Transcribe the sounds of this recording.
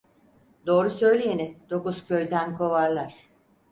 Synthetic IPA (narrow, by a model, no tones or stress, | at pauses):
d̪o̞ːɾusø̞jlʲejenɪd̪̥o̞kuz̥cʰø̞jd̪ænkʰo̞vaɾlˠaɾ̥